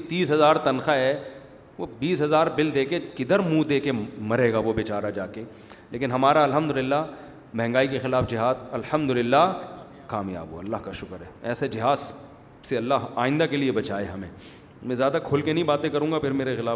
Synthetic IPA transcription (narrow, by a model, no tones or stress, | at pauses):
t̪iːsɦɐzaːɾt̪ɐnxaɦɛ | ʋobiːs̬ɦɐzaːɾbɪld̪eːkekɪd̪əɾmũd̪eːkemɐɾeːɡaʋobɪt͡ʃaːɾad͡ʒaːke | leːkɪnɦɐmaːɾaɐlɦɐmd̪ʊlɪlːa | mɛ̃ɦɛ̃ŋɡaːikexɪlaːfd͡ʒɪɦaːd̪̚ɐlhɐmd̪ʊlɪlːa | kaːmja̰ːbɦo̰ɐlːaːɦkaʃʊkəɾɦɛːɛːsed͡ʒɪɦaːd̪ | seɐlːaɦaːɪ̃nd̪akeliebɐt͡ʃaːeɦɐmḛ̃ː | mɛ̃zjaːd̪akʰʊlkenɐɦĩbaːt̪ẽkɐɾũːŋɡapʰɪɾmeːɾexɪlaː